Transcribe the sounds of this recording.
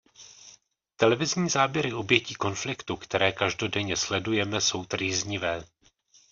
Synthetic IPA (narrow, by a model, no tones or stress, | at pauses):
t̪ɛlɛvɪzɲiːzaːbjɛɾɪo̞bjɛciːko̞nflɪkt̪ukt̪ɛɾɛːkaʒdo̞dɛɲɛslɛdujɛmɛso̞wt̪riːzɲɪvɛː